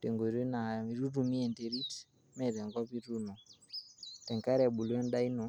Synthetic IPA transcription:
te˨ŋɡo˨ɾi˦na˨ɾu˦ɾu˨mi˦ɛ˨nde˨˦ɾi˦t | mɛ˨ɾɛ˨ŋɡɔ˦pi˦ɾu˦nɔ˨ | tɛ˨ŋka˦ɾa˨ɓu˨lɛ˦n˦ɗa˦i˦nɔ˨

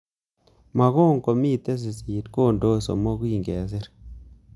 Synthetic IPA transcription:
ma˨ɣo˦˨ŋko˨mi˦˨te˦s̬i˨si˨tko˦˨ndo˦so̰˨mɔ˦kwi˨ŋɡe˨s̬ɪ˦ɾ

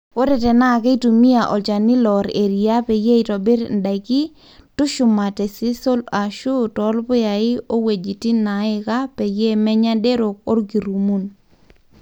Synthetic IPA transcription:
wo˦ɾɛ˨tɛ˨na˦˨ke˦i˦tu˨mi˦a˨ʔɔ˨t͡ʃa˨nɪ˦lɔ˨ɾe˨ɾi˨a˦pe˨je˦i˨tɔ˨bɪ˦ɾnda˨i˨kɪ˦ | tʊ˦ʃʊ˨ma˨tɛ˨si˦so˦la˨ʃu˦tɔ˨˦lbʊ˦ja˨ɪ˦o˦we˨d͡ʒi˨ti˦na˨ɪ˦ka˦pe˨je˦mɛ˦ɲa˦de˦ɾo˨k̚o˦rɡi˨ɾu˨mu˦n

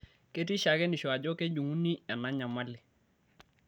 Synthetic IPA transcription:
ke˦t̬i˦ʃa˨kɛ˦ni˨ʃɔ˨a˨d͡ʒo˦ke˦d͡ʒu˨ŋu˦ni˦a˨na˦ɲa˨ma˦lɪ˨

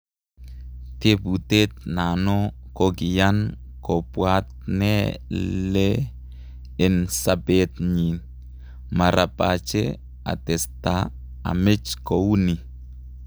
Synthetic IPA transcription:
te˦bu˨t̪e˦t̪na˨nɔ˦ko˦ɡɪ˨ja˦n | kɔ˨pwa˦t̪̚nɛ˦le˦ | ɪ˨nsa˨be˦t̪ɲi˨n | ma˨ɾa˨pa˨t͡ʃe˦ | a̰˨t̪ɛ˨sta˦ | a̰˨mɪ˦t͡ʃko˨wu˦ni˨

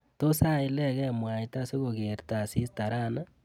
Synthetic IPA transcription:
to˦sa˦˨i˦lɛ˦ɣɛ˦mwa˨ita˦se˦ɣo˨ɣe˨ɾta˨si˦sta˨ɾana˦

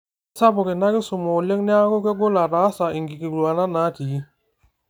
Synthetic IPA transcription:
sa˦bo˨ke˨na˦ki˦su˨mɔ˨le˦ŋni˦a˦ko˦ke˦ɡo˦la˨ɾa˨˦sa˨i˨ŋɡi˨ki˨ɡlu˨a˨na˦na˨˦ti˨ji˦

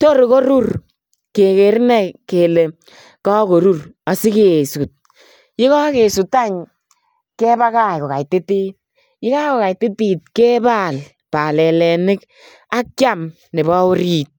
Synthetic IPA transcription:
to˦ɾko˦ɾu˦r | ke˨ke˨ɾnɛ˨ke˨le˨ | kɔ˦ko˨ɾu˦ra˨sɪ˦ke˨su˨t̚ | jɪ˦ka˦ke˨su˨ta˦ɲ | kɛ˦ba˦ka˦jkɔ˨ka˨jtɪ˦ti˦t̚ | jɪ˦ka˦ko˨ka˨jtɪ˦ti˨t̚kɛ˦ba˦˨l | pa˨lɛ˨lɛ˨nɪ˦k | a˦kt͡ʃa˦m | nɪ˨ba˦ʊ˦ɾi˨t̚

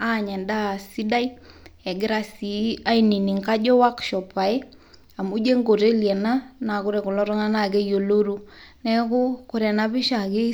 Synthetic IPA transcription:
a˦˨ɲɛ˨nda˦˨si˦da˦i˦ɛ˨ɡɪ˦ɾa˦si˨a˦i˨ni˨ni˨ŋka˦d͡ʒɔ˦wa˦kʃɔ˨pa˨ɪ˦ | a˨mu˦d͡ʒe˦ŋɡo˨te˦ljɛ˨na˦na˨kʊ˦ɾe˨kʊ˨lɔ˦ɾɔ˦ŋa˦na˦˨ke˦jo˨lo˦ɾu˦nɛ˦kʊ˦kʊ˨ɾɛ˨na˦bɪ˦ʃa˨ke˦

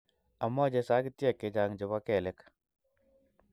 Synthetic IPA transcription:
a˨mɔ˦d͡ʒe˦sa˦ɡi˦t̪jɛ˨kːɪ˨d͡ʒa˨ŋd͡ʒʊ˨ba˦kɛ˨lɛ˦k

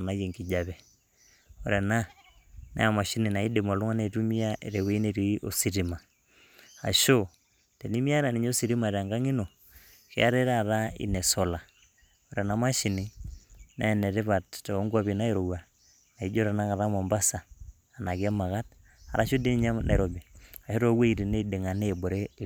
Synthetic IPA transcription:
na˨˦je˨ŋki˨d͡ʒa˨βɛ˨ | o˨ɾɛ˨na˦ | na̰˦a˨ma˨ʃi˦ni˨na˨i˦de˨mo˨lu˦ŋa˦ne˨tu˦mi˦a˦ʔe˨ɾe˨we˦i˦ne˨ɾi˨i˦ʔo˨si˨ɾi˨ma˨ | a̰˨ʃo˦ | te˨ni˦mi˦a˦ɾa˨ni˨ɲo˦si˨ɾi˦ma˨ɾa˨ŋɡa˦ŋi˦no˨ | kḛ˦a˦ɾe˦ɾa˨ɾa˦ḭ˨nɛ˨so˨la˨ | o˨ɾe˨na˨ma˦ʃi˨ni˦na̰˦˨ne˨ɾe˦βa˨tte˨o˦ŋɡa˦βi˨na˦e˦ɾo˨wa˨ | na˨i˦d͡ʒo˦ɾa˨na˦ka˨ða˦mo˨mba˦saː˨ | na˨ɡa˦ma˨ɣa˦t̚ | a̰˨ɾa˦ʃo˦de˦ni˦ɲa˦mnʔa̰˨ɾo˨bi˨a˨ʃo˦ɾo˦we˦i˨ɾi˨ne˦de˨ŋa˨ne˦˨bo˨ɾe˦˨

